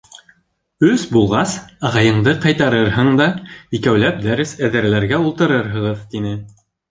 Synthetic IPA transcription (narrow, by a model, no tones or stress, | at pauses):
ɵzbulˠʁɑsɑʁɑjɤ̆ɴd̪ɤqɑjt̪ɑɾɤɾɦɤɴd̪ɑikæwlæp̚d̪æɾɘsæðɘ̆ɾælæɾɡæulˠt̪ɤ̆ɾɤɾɦɤ̆ʁɤðt̪inɘ